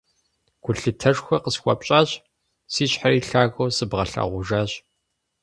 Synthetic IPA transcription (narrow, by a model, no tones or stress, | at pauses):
ɡʷʰʊɬɨtʰɐʂxʷɐqəsxʷɐpʼɕʼaːɕ | siːɕħariːɬaːɣowsɨbʁɐɬa̰ːʁʷʊʒaːɕʼ